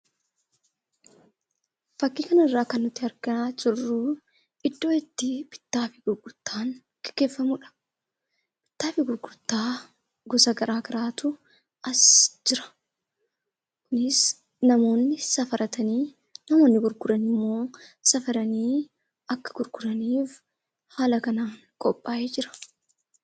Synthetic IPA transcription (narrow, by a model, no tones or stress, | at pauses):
fɐkːiːkɐnɐɪrːaːkɐnːʊt̪ːɪɐɾɡɐaːd͡ʒɪrːu | ɪd̪ːo̞ːɪt̪ːɪbɪ̥t̪ːaːfɪɡ̥ʊɾɡʊɾt̪ːaːn | kɪ̥kːe̞ːfːɐmʊᶑɐ̥ | bɪ̥t̪ːaːfɪɡʊɾɡʊt̪ːaː | ɡɔsɐɡɐɾʔaːɡɐɾaːt̪ʊ | ɐsd͡ʒɪɾɐ̥ | kʊnɪs | nɐmo̞ːnːɪsɐfɐɾɐt̪ɐniː | nɐmo̞ːnːɪɡʊɾɡʊɾɐnɪmːo̞ːsɐfɐɾɐniː | ɐkːɐ̥ɡʊɾɡʊɾɐniːf | haːlɐkɐnaːn | kʼɔpʼːaːjed͡ʒɪɾɐ̥